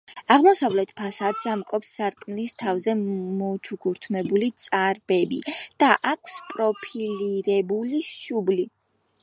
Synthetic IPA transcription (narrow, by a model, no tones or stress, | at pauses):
aʁmɔsavlɛt̪ʰpʰasad̪zamkʼɔpsːaɾkʼmlist̪ʰavzɛmɔt͡ʃʰuɡuɾt̪ʰmɛbulit̪sʼaɾbɛbḭd̪̥aʔakʷʰspʼɾɔpʰiliɾɛbuliʃubli